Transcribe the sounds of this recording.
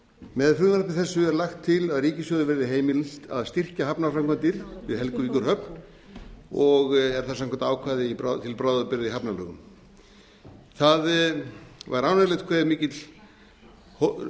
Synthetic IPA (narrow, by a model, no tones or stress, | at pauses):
mɛðfʏnaɾapnɪθɛsːʏɛɾlaxt̪ʰːɪlaðriːcɪsjœːðʏvɛɾɪðɪɦeːjmɪlt̪a̰ðst̪ir̥caɦapnaɾfɾamkʰvant̪ɪɾ̥vɪðhɛlkʏviːkʏɾ̥hœpn̥ | ɔɣɛɾ̥θas̬amkʰɛɾt̪aːwkʰvaːðɪipɾat̪ʰɪlpɾaːwðʏpɪɾɪðiɦapnalœːɣʏ̰m | θað | vaɾawnɛlɛt̪kʰvɛːðmiːcɪt̪l̥ | h